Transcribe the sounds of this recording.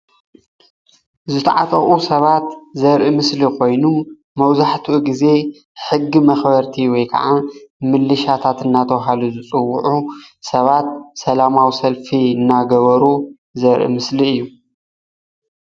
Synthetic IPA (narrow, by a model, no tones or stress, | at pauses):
zɨt̪ʰɐʕat̪ʼɐχʼusɐβat̪zɐɾʔimɨslikʰo̞jnu | mɐwzaħt̪ʰuuɡize̞ | ħɨɡːimɐxbɐɾt̪ʰiwɔjkʰɐ̰ʕamɨlːɨʃat̪ʰat̪ɨnːat̪ʰɐwɦaluzɨt͡sʼɨwːʊʕusɐβat̪̚sɐlamawisɐlfiɨnːaɡɐβɐɾu | zɐɾʔḭmɨsliɨjːu